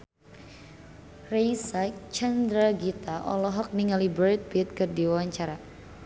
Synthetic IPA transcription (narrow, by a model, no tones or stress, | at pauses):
rejsat͡ʃand̪ɾaɡit̪aʔɔ̰lɔɦɔk̚niŋalibəɾɛt̪̚bit̪̚kɨrdiwawaɲt͡ʃaɾa